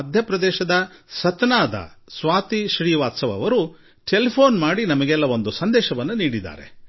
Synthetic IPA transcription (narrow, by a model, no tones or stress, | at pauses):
ɐd̪ʱjɐpɾɐd̪ɛːʃɐd̪ɐsɐt̪naːd̪ɐ̰sʋaːt̪iʃɾiːʋaːt̪sɐʋɐ̰ʋɐɾu | ʈelipʰo̞ːnmaːɽinɐmɐɡɛlːɐʋo̞nd̪usɐnd̪ɛːʃɐʋɐnːuniːɽid̪a̰ːɾḛ